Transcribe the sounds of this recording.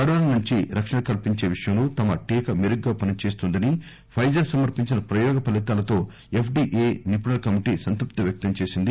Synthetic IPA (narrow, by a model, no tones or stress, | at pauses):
ɐɽoːɐnuɲt͡ʃiɾɐkʂɐɳɐkɐlpiɲt͡ʃe̞ːʋiʂjɐmnut̪ɐmɐʈiːkɐmeɾuɡːaːpɐnit͡ʃe̞ːst̪und̪ɐni | pʰɐjd͡ʒɐɾsɐmɐɾpiɲt͡ʃinɐpɾɐjɔːɡɐpɐlit̪aːlɐt̪o̞ː | epʰɖiːʔeːnipunɐlkɐmiʈiːsɐnt̪ɾup̚t̪ɐʋjɐk̚t̪ɐmt͡ʃe̞ːsind̪i